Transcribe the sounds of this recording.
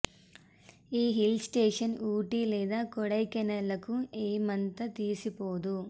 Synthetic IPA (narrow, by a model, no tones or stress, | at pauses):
iːɦilsʈeːʂɐnuːʈilɛːd̪aːkɔɽɐjkɛnɐlːɐkueːmɐnt̪ɐt̪iːsipoːd̪u